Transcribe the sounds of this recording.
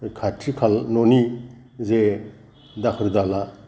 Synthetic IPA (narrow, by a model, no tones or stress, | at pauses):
kʰatʰikʰalnɔni | ze | dakʰɯɾd̪ala